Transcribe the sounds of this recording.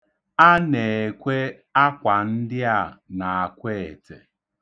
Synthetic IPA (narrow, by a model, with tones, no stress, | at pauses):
a˦ne˨e˨kʷe˦ | a˦kʷa˨n̩˦dɪ˦a˦˨na˨a˨kʷe˦˨e˨tḛ˨